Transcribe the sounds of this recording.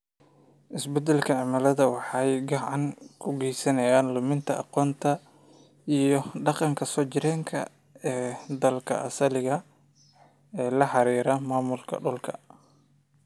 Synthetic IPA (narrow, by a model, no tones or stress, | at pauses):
ʔɪsbɛd̪ɛlkʰɐʕɪmɐlɐðɐwɑħɑjɡɑʕɑŋkʰʊɡɛjsɐnɐjaːnlʊmɪnt̪ʰɐʔɑ̰qɔːnt̪ʰɐ | ijɞɖɑqɑŋkʰɐsɔːt͡ʃɪɾɛːŋkʰɐ̰ | ɛːd̪ɐlkʰɐ̰ʔɐ̰sɐlɪɣɐ | ɛːlɐħɑɾiːɾɐmaːmʊlkʰɐ̰ɖʊlkʰɐ